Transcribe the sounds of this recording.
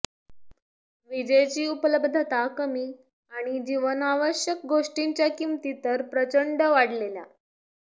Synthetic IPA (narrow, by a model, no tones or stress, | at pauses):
ʋid͡ʑəjt͡ɕiːupələbd̪ʱət̪akəmiː | aɽ̃id͡ʑiʋənaʋəɕjək̚ɡʱoʂʈiɲt͡ɕjakimt̪it̪əɾpɾət͡ɕəɳɖəʋaɽ̤lelja̰